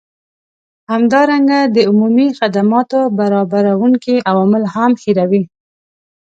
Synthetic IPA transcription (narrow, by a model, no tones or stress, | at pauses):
hamd̪ɑɾaŋɡad̪əʊmumixad̪amɑt̪obaɾɑbaɾawuŋkiʔawɑmɪlhamxiɾawi